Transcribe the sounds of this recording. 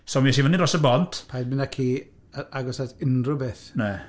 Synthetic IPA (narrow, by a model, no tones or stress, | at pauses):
somiɛʃivəniɾrɔsəbɔntʰpʰajdmɪnakʰiː | aaɡɔsatɪnrʊbeθnɛ